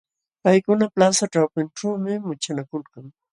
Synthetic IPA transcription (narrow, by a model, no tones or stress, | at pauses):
pajkʊnaplasaʈ͡ʂawpɪnʈ͡ʂaːmɪmʊt͡ʃanakʊlkaŋ